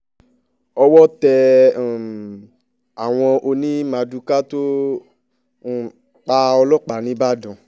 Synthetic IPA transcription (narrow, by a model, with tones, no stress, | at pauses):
ɔ˧wɔ˦tɛ˧˨ | a˨w̃ɔ̃˧ʔo˧nĩ˦mã˨˧du˧ka˦to˦˨ | k͡pa˧˦ɔ˧lɔ˦˨k͡pa˨nĩ˨˦ba˦˨dɔ̃˨